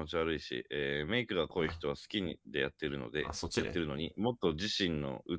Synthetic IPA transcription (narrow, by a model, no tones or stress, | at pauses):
ot͡ɕiβaɾɯ̟iɕḭeːme̞ikɯ̟ɡako̞içi̥t̪o̞β̞asɨ̥kʲiɲd̪e̞jat̪ːeɾɯ̟no̞̰d̪e̞̰at̪ːe̞ɾɯno̞ɲ̟imo̞t̪ːo̞d͡ʑiɕĩnːo̞̰ɯ̟